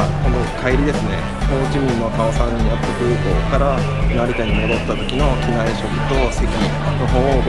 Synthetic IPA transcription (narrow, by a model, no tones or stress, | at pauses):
konokʰaiɾʲid̪e̞sɨne̞ | moːt͡ɕimʲĩnːokaasãɲ̟ːĩjat̪ːakɯ̟ːko̞ːkaɾa | naɾʲit̪aɲ̟imo̞d̪o̞t̪ːat̪o̞kʲino̞kʲinaiɕo̞kɯ̟t̪o̞sekʲi | noɦo̞ːb